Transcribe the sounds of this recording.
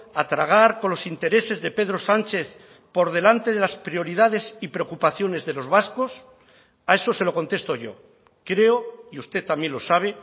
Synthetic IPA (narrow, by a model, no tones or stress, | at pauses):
at̪ɾaɣ̞aɾkonlo̞sint̪e̞ɾe̞se̞zðe̞pe̞ðɾo̞sant͡ʃe̞θ | po̞ɾð̞e̞lant̪e̞ðe̞laspɾio̞ɾiðað̞e̞sipɾeokupaθjo̞ne̞zðe̞lo̞zβasko̞s | ae̞so̞se̞lo̞ko̞nt̪e̞st̪oʝo̞̰ | kɾe̞oiust̪e̞t̪amje̞nlo̞saβ̞e̞